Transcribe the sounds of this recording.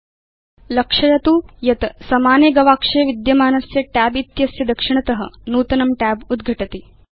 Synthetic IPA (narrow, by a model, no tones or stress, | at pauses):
lɐkʂɐjɐt̪uːjɐt̪ɐsɐmaːneɡɐʋaːkʂɐjɐʋid̪jɐmaːnɐsjɐʈæːbit̪jɐsjɐd̪ɐkʂiɳ̃ɐt̪ɐɦɐ̰̆nuːt̪ɐnɐmʈæːbud̪ɡʱɐʈɐt̪i